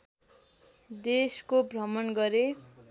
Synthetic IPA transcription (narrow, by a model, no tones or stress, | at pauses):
d̪eskobrʌmʌnɡʌɾe